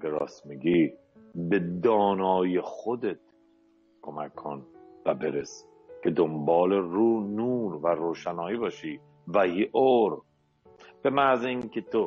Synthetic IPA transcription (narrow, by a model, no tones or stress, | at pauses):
beɾɒ̰ːsmiɡiː | bed̪ɒːnɒːjexod̪e̞t̪ | kʰomækʰːonvæbeɾes | cʰed̪ombɒːleɾuːnuːɾvæɾoːʃænɒːiːbɒːʃiː | væhiʔoɾ | b̥emæzeiŋkʰet̪ʰo